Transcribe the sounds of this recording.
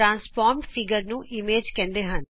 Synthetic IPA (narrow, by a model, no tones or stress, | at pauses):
ɾãːnspɔːɾmʈpʰɪɡəɾnũːʔɪmeːd͡ʒkɛ̃ːnd̪eːɦən